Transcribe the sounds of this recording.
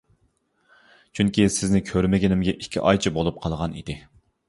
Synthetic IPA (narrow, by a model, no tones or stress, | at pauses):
t͡ʃʰyŋkʲisɪznɪkʲʰøɾmɪɡʲinɪmɡʲɛʔikʲʰːḭʔɑjt͡ʃʰibolˠup̚qʰɑlˠʁɑnḭd̪ɪ